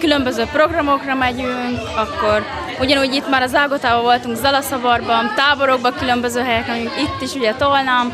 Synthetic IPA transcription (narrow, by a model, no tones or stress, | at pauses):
kylø̞mbø̞zøːpro̞ɡrɒmo̞krɒmɛɟyŋkɒkːo̞r | uɟɒnuːɟit̪maːɾɒzaːɡot̪aːbɒvo̞lt̪uŋkzɒlɒsɒvɒrbɒnt̪aːbo̞ɾo̞ɡ̚bɒkylø̞mbø̞zøːɦɛjɛkrɛmɛɟyŋkit̪ːiʃuɟɛt̪olnam